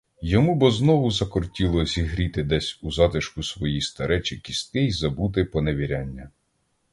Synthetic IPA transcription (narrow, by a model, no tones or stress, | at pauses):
jɔmubɔznɔʋʊzɐkɔrtʲilˠɔzʲiɦɾʲit̪ɪd̪ɛsʲuzɑt̪ɪʃkʊsʋɔjist̪ɐɾʔɛt͡ʃikʲist̪ɪjzɐbut̪ɪpɔneʋʲiɾʲanʲːɐ